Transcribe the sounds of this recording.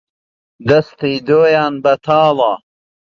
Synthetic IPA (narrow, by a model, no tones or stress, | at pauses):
d̪ɐst̪ijd̪oːjaːnbɐt̪ʰaːlɑː